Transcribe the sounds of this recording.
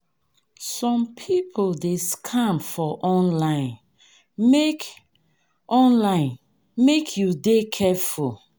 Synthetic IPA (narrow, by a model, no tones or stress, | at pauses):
sɔ̃mpʰipʰoldeskʰãmfɔʔɔ̃nlãɪ̃n | mek | ʔɔ̃nlãɪ̃n | mekʰjudekʰɛful